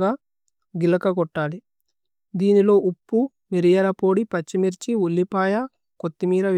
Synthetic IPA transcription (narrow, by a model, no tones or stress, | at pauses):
aː | ɡilɐkɐɡɔʈːaːli | d̪iːnilo̞ːʔupːu | miɾijɐɾɐpo̞ːɽipɐt͡ʃːimiɾt͡ʃiulːipaːjɐ | kot̪ːimiːɾɐʋ